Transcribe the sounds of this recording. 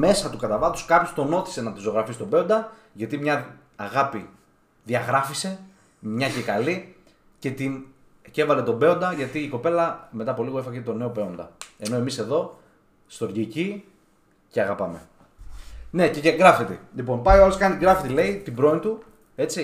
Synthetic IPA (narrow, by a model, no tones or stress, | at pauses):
me̞sɐt̪ukɐt̪ɐvɐt̪u̥skɐpço̞st̪o̞no̞t̪i̥se̞nɐt̪izo̞ɣɾɐfisi̥t̪o̞be̞o̞nd̪ɐ | ʝɐt̪imɲɐ | ɐɣɐpi | ðiɐɣɾɐfise̞ | mɲɐce̞kɐli | ce̞t̪in | ce̞vɐle̞t̪o̞be̞o̞nd̪ɐʝɐt̪iːko̞pe̞lɐme̞t̪ɐpo̞liɣo̞efɐɣet̪o̞ne̞o̞pe̞o̞nd̪ɐ̰e̞no̞e̞mise̞ðo̞ | st̪o̞ɾʝici | ceɐɣɐpɐme̞̰ | ne̞ceceŋɡɾɐfet̪elipo̞npɐjoɐlo̞skɐniɡɾɐfet̪ele̞it̪ibɾo̞int̪u | e̞t͡si